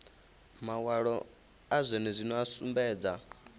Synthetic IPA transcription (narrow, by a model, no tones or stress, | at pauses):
mawaɺɔ | azʷɛnɛzʷinɔasumbɛːd͡za